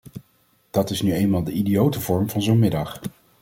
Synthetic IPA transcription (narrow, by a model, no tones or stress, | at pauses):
d̥ɑtɪsnyejnmaːlˠdəʔidijowtəvɔɹmvɑnzownmɪdɑχ